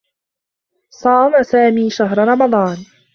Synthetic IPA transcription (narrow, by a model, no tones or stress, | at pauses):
sˤɑːmasaːmiːʃaɦɾɾˤɑmɑd̪ˤɑːn